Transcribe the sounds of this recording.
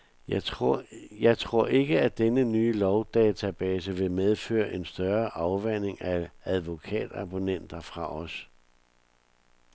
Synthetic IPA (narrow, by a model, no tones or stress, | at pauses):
jɑ̈ɪt͡sʰʁo̝ɐ̰e̝ɡ̥əæd̥enənyːlɒʊd̥ɛːt͡sʰæb̥ɛːsəʋe̝með̞ˠfø̰ːɐʔe̝nsd̥ɶɐʔɑ̈ʊʋæn̰e̝ŋææðˠʋo̝kʰɛ̰ːd̥ɑ̈b̥o̝nen̰d̥ɐfʁɑ̈ʔɒ̽s